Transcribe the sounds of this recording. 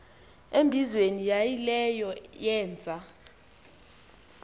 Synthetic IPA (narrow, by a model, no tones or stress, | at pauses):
embʱizwenijajilɛjɔjɛːnd͡zʱa